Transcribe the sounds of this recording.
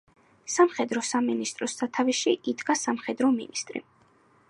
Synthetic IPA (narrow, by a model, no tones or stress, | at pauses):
samχɛd̪ɾɔsaminist̪ʼɾɔsːat̪ʰaviʃiʔid̪ɡasamχɛd̪ɾɔmḭnist̪ʼɾḭ